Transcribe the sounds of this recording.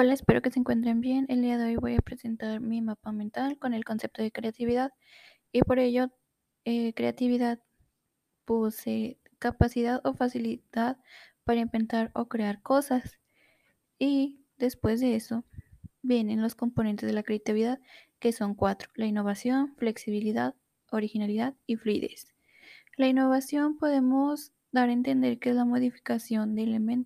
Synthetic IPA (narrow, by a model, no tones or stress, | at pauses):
olaespe̞ɾo̞ke̞seŋkwe̞nt̪̬ɾe̞mbje̞ne̞ld̪iaðe̞o̞jβo̞japɾe̞se̞nt̪aɾmimapamẽ̞nt̪alko̞ne̞lko̞nse̞p̚t̪oðe̞kɾeat̪iβ̞iðað | ipo̞ɾe̞ʝo̞ | ekɾe̞̰at̪iβiðað | puse | kapasiðaðo̞fasiliðaðpaɾaimpe̞nt̪aɾo̞kɾeaɾko̞sas | i | ðe̞spwe̞zðe̞e̞so̞bje̞ne̞nlo̞sko̞mponent̪e̞zðelakɾeat̪iβiðaðke̞so̞ŋkwat̪ɾo̥laino̞βasjo̞nfle̞ksiβiliðað | o̞ɾixinaliðaðifluḭðe̞̰s | lainːo̞βasjo̞mpo̞ðe̞moz | d̪aɾent̪e̞nd̪e̞ɾkeezlamo̞ðifi̥kasjo̞nd̪eːlemẽnt̪